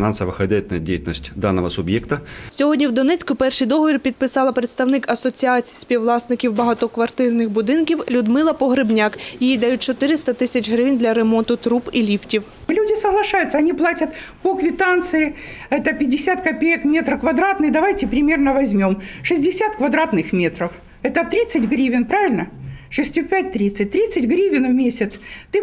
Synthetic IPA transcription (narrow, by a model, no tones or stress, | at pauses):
nansəʋɐxɐdʲætɪnəjdʲejtʲɪlʲnəsʲtʲd̪anːəʋəsʊbjekt̪əsʲɔɦɔdʲnʲiwd̪ɔnɛt͡sʲkʊpɛrʃɨjd̪ɔɦɔʋʲirʲpʲid̪̚pɪsɑlˠɐpɾet̪st̪ɐwnɪkɐsɔt͡sʲiat͡sʲi̥jsʲpʲiwlˠɑsnɪkʲiwbɐɦɐt̪ɔkʋɐrt̪ɪrnɪxbʊd̪ɪnkʲiwlʲʊd̪mɪlˠɐpɔɦɾɪbnʲakjijid̪ɐjut̚ʲt͡ʃɔt̪ɪɾɪst̪ɐt̪ɪsʲɐt͡ʃʲɦɾɪʋinʲd̪lʲɐɾemɔnt̪ʊt̪ɾupilʲiftʲiw | lʲudʲɪsəɦlˠɐʂajʊt̪sːɐɐnʲiplˠatʲɐt̪pokvʲɪt̪ant̪sɨɪɛt̪əpʲɪdʲːɪsʲat̪kɐpʲejəkmʲet̪ɾəfkvɐd̪ɾat̪nɨxd̪ɐʋajtʲɪpɾʲɪmʲe̞rnəvɐzʲmʲo̞mʂɨzʲdʲɪsʲat̪kvɐd̪ɾat̪nɨxmʲet̪ɾəf | ɛt̪ət̪ɾʲit̪sːɨtʲɡɾʲivʲɪnpɾavʲɪlʲnəʂɨsʲtʲupʲæt̚ʲt̪ɾʲit̪sɨt̚ʲt̪ɾʲit̪sɨtʲɡɾʲivʲɪnvmʲesʲɪt̪st̪ɨ